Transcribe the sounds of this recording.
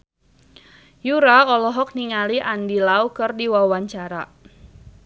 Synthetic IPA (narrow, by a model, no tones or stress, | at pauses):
juɾaɔlɔɦɔk̚niŋaliʔandilaukɨrdiwawaɲt͡ʃaɾa